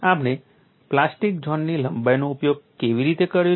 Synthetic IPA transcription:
amne | plasʈik̚d͡ʒʱɔnːiləmbajnoupjoɡ̚keʋiɾit̪ekəɾjõ

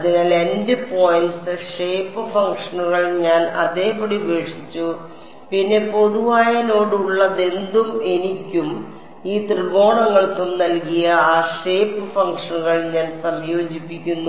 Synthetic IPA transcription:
ɐðinaːlendɨpo̞ːjinsɨʂe̞ːpːɨfɐŋkʂɐnuɣɐɭɲaːnɐ̰ðe̞ːpoɽibe̞ːʂit͡ɕːu | pinːe̞po̞ðuʋaːjɐno̞ːɽuɭːɐðe̞nd̪ume̞nikʲːum | iːt̪rɨɡo̞ːɳɐŋːɐɭkɨmnɐlkijɐaːʂe̞ːpːɨfɐŋkʂɐnuɣɐɭɲaːnsɐmjo̞ːd͡ʑipːikʲːunːu

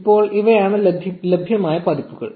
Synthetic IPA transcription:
pːo̞ːɭʔiʋɐjaːɳɨlɐbʱlɐbʱjɐmaːjɐpɐd̪ipːuɣɐ̰ɭ

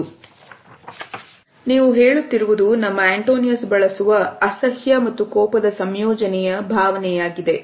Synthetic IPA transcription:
niːʋuɦe̞ːɭut̪ːiɾuʋud̪unɐmːɐeɳʈoːnijɐsbɐɭɐsuʋɐɐsɐhjɐmɐt̪ːukɔːpɐd̪ɐsɐmjɔːd͡ʒɐnɛjɐbʱaːʋɐnɛjaːɡid̪e̞

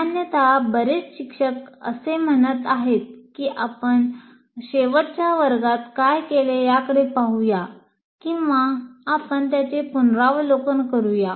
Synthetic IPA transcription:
banjət̪abəɾet͡sɕikʂəkə̰sem̤ənət̪aɦet̪̚kiːʔapəɳ | ɕeʋəʈt͡ɕjaʋəɾɡat̪kajkelejakəɽepaɦuja | kĩw̃ʋaːpəɳt̪jat͡ɕepunɾaʋlokənkəɾuja

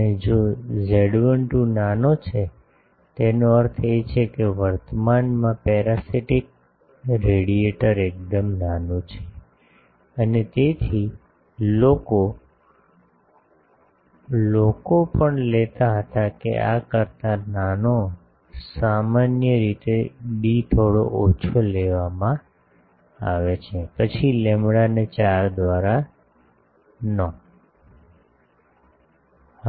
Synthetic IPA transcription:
ed͡ʒod͡ʒeɽʋəɳʈũnanot͡ʃʰe | t̪enoəɾt̪ʰet͡ʃʰekeʋəɾt̪əmanmãpɛɾasiʈik̚ | ɾeɽieʈəɾek̚d̪əmnanũt͡ʃʰe̥ | ənet̪et̪ʰi | loko | lokopəɳlet̪aɦət̪akḛʔakəɾt̪anano | samanjəɾit̪ebit̪ʰoɽo̰ʔot͡ʃʰoleʋamã | aʋet͡ʃʰepət͡ʃʰilemɽanet͡ʃaɾd̪ʋaɾa | nə

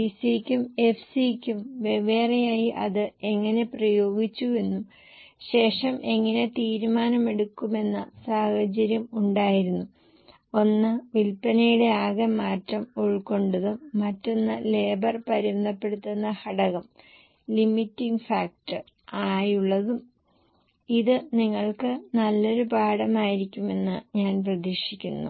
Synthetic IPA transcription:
isikʲːume̞fsikʲːumʋe̞ʋe̞ːrɐjaːjiʔɐðɨe̞ŋːɐne̞prɐjo̞ːɡit͡ɕːue̞nːum | ɕe̞ːʂɐmʔe̞ŋːɐne̞t̪iːɾumaːnɐme̞ɽukːume̞nːɐsaːhɐt͡ɕɐɾjɐmuɳɖaːjiɾunːu | o̞nːɨʋilpɐnɐjuɽe̞aːɣɐmaːtːɐmoɻkːo̞ɳɖuðumːɐtːo̞nːɨle̞ːbɐrpɐɾimɐnd̪ɐpːe̞ɽut̪ːunːɐhɐɽɐɣɐm | limitːiŋɡfaːk̚tɨ | aːjuɭːɐðum | iðɨniŋːɐɭkɨnɐlːo̞ɾupaːɽɐmaːjiɾikʲːume̞nːɨɲaːnprɐðiʂikʲːunːṵ

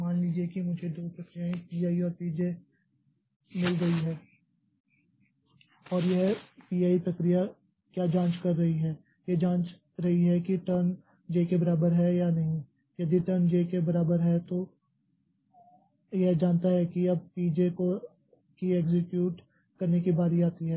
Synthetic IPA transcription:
maːnliːd͡ʒiekimʊd͡ʒʱed̪oːpɾɐkɾijaĩpiːaːiɔːɾpiːd͡ʒe | mɪlɡɐiɦɛː | ɔːɾjɛɦpiːaːip̪ɾɐkɾija | kjaːd͡ʒãːt͡ʃkɐɾːɐiɦɛː | jed͡ʒãːt͡ʃ | ɾɐɦiɦɛkiʈəɾn | d͡ʒeːkebɐɾaːbəɾɦɛjanɐɦĩ | jɐd̪iʈəɾnd͡ʒeːkebɐɾaːbəɾɦɛt̪o | jeɦd͡ʒaːnt̪aɦɛkiɐb̚piːd͡ʒeko | kieːɡzɪkjuːʈ | kɐɾnekibaːɾiaːt̪iɦɛː

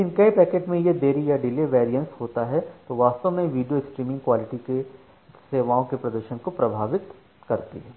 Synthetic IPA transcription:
ekɪnkɐipɛːkeːʈmẽjed̪eːɾijaɖɪleʋɛːɾijə̃nshoːt̪aɦɛt̪oʋaːst̪əʋmẽʋiːɖijoɪksʈɾiːmɪ̃ŋɡkwaːlɪʈike | seːʋaːõkepɾɐd̪əɾʃənkopɾɐbʱaːʋɪt̪ | kɐɾt̪iɦɛː

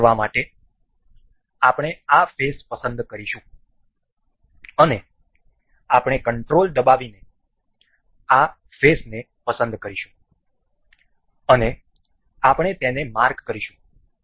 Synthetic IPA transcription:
ʋamaʈe | apɽ̃eafespəsə̃nd̪kəɾiʃũ | əne | apɽ̃ekəɳʈɾold̪əbaʋine | a | fesne | pəsə̃nd̪kəɾiʃũ | əne | apɳ̃et̪enemaɾkːəɾiʃũ̥

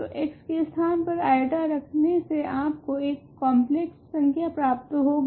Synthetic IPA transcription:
t̪o̰ʔeːkskeɪst̪ʰaːnpɐɾaːɪʈaɾɐkʰneseaːpkoeːkːɔ̃ːmpleksːɐ̃ŋkʰjapɾaːp̚t̪ɦoːɡ

